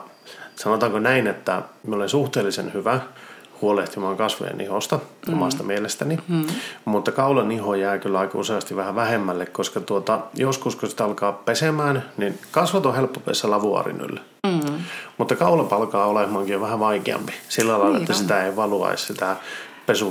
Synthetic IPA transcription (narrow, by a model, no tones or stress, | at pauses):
sɑnot̪ɑŋkonæinet̪ːæ̰miolensuht̪eːlːisḛnhyʋæhuoleht̪imɑːŋkɑsʋo̰jḛnḭhost̪ɑo̰mɑst̪ɑmielest̪æni | mut̪ːɑkɑulɑnihojæːkylːɑikɑuseɑst̪iʋʋæhæʋæhemːælːekkoskɑt̪uot̪ɑjoskuskosi̥t̪ɑlkɑːppesemæːnninkɑsʋɑt̪õhelpːopḛːsːelɑʋuɑ̰rḭny̰lː | mut̪ːɑkɑulɑpɑlkɑːolehmɑːŋkijoʋʋæhæʋɑikḛɑ̰mpi̥silːælɑilːɑ̰et̪ːæsit̪æeiʋɑluɑ̰issit̪æpesu